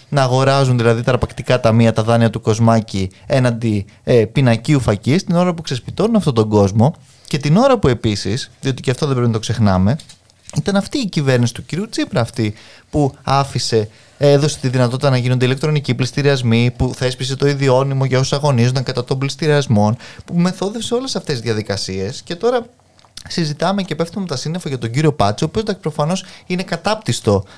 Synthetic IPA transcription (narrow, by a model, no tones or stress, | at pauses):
nɐːɣo̞ɾɐzunðilɐðit̪ɐɾɐpɐkt̪ikɐt̪ɐmiɐt̪ɐðɐniɐt̪uko̞zmɐcie̞nɐnd̪i | pinɐciufɐcist̪ino̞ɾɐpuksespit̪o̞nunɐft̪o̞t̪o̞ŋɡo̞zmo̞ | ce̞t̪ino̞ɾɐpue̞pisisðiot̪iceɐft̪oðe̞bɾinɐt̪kse̞xnɐme̞ | it̪ɐnɐft̪iːcive̞ɾnisi̥t̪uciɾiut͡sipɾɐːft̪ipuɐfise̞ | eðo̞se̞̥t̪iðinɐt̪o̞t̪it̪ɐnɐʝinond̪ilek̚t̪ɾo̞niciplist̪iɾiɐzmipuθespise̞t̪o̞iðio̞nimo̞ʝɐososɐɣo̞nizond̪ɐŋkɐt̪ɐt̪o̞mblist̪iɾiɐzmo̞npume̞θo̞ðefseo̞le̞sɐft̪e̞zðʝɐðikɐsie̞sce̞t̪o̞ɾɐ | sizit̪ɐme̞ce̞peft̪umt̪ɐsinefoʝɐt̪o̞ɲɟiɾio̞pɐt͡so̞ːpioznd̪ɐkspɾofɐno̞sine̞kɐt̪ɐp̚t̪ist̪o̞